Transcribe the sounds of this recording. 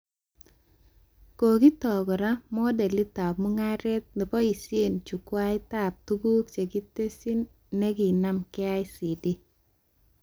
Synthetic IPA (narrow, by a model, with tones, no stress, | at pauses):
ko˨ɡi˦t̪ɔ˨ɡɔ˨ɾa˦mɔ˦dɛ˨lɪ˦t̪a˨pmo˦ŋa˦ɾɛ˦t̪̚nɪ˨pɔ˦i˨sɪ˦e˦˨nt͡ʃu˨kwa˦ɪ˦t̪a˨p̚t̪u˦ɡu˦kt͡ʃe˨ɡi˦t̪e˦si˦nː | e˦ɡi˨na˦mkɪ˦a˦ɪ˦si˨di˦